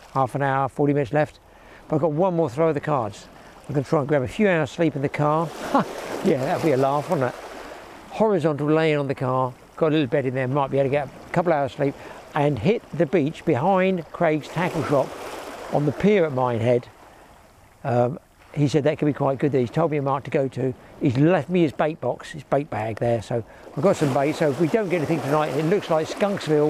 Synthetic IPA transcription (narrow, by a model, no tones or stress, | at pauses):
hæfə̃naʊə˞fɔɹɾimɪ̃ɨtslɛft̚ | b̥ʌɾaɪɡɑt̚wʌ̃nmɔɹθɹoʊʌvðɨkʰɑɹdz̥ | ãɪɡʌ̃ntʰɹaɪ̃nɡɹæbɨfjʉaʊə˞z̥slipn̩ðɨkʰɑɹ | jæðɨt̚l̩ˠbiɨlæfnə | hɔɹɨzɑ̃ntˡl̩ˠlẽɪɪ̃ŋə̃nðɨkʰɑɹ | ɡ̥ɑɾəlɪɾl̩ˠbɛɾɨ̃nðə˞maɪt̚b̥iaɾɨɡɛɾə | kʰʌpl̩ˠaʊəz̥slip̚ | ɨ̃nɦɪt̪̚ðɨbit͡ʃb̥ɨɦãɪ̃ndkʰɹ̥eɪɡz̥tʰækl̩ˠʃɑpə̃n̩ðɨpʰɪɹət̚mãɪ̃nɦɛd̥ | ʌ | hisɛd̪̚ðɨt̚kʰɨ̃nbikʰw̥aɪt̚ɡ̥ʊd̪̚ðɨhiz̥tʰoʊd̚miɨmɑɹk̚tʰɨɡoʊɾʉizlɛft̚miɨzbeɪt̚b̥ɑksɨzbeɪt̚b̥æɡ̚ðə˞soʊ | aɪvɡɑtsʌ̃mbeɪtsoʊfwidõʊ̃nɡɛɾɛniθɪ̃ŋtʰɨnaɪtɨ̃nɨtˡlʊkslaɪkskʌ̃ŋksvɪ